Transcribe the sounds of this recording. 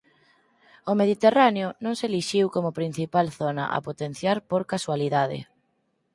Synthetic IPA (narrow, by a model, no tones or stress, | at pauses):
omeðit̪eraneʊnõŋseliʃiwkomʊpɾin̟θipalθonɐ̰ʔa̰pot̪en̟θjaɾpoɾkaswaliðaðɪ̰